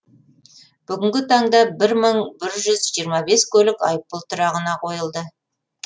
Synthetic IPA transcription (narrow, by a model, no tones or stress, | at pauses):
b̥ʏɡʲɪŋɡʲɪt̪ʰɑɴd̪ɑbɪɾməɴbɪɾʒʏzʒijəɾmɑbe̞skʲʰɵlɪkɑ̰jp̚ːəlˠt̪ʰʊɾɑʁənɑqʰo̞jəlˠd̪ə